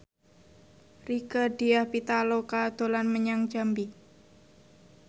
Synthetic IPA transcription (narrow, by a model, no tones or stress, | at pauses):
rikəd̥i̤jahpit̪alokad̪̥o̤lanməɲaŋd͡ʒambi